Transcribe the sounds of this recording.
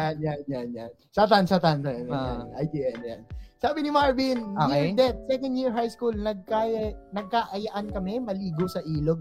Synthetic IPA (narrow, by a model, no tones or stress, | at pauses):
janjanjanja̰n | sat̪ansɐt̪ant̪ojɐna̰nʔajt̪iɛnja̰nsaːbɪnɪmaɹbinoɛɹd̪ɛt̪̚sɛkɐ̃nd̪jiɹɦajskulnɐɡ̚kajnɐɡ̚kaːʔɐjɐʔankɐmɛmɐliːɡosɐʔiːloɡ̚